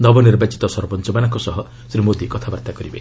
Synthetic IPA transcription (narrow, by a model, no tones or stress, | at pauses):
nɔbɔniɾbat͡ʃi̥t̪ɔsɔɾbɔnt͡ʃɔmanaŋkɔsɔɦɔ | sɾimod̪ikɔt̪ʰabaɾt̪akɔɾibe